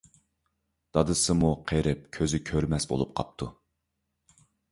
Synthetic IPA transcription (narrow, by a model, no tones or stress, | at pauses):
d̪̥ɑd̪ɨsɨmuqʰeɾɪp̚kʲʰøzɪkʲʰøɾmɛsbo̰lˠup̚qʰɑ̰p̚t̪ʰṵ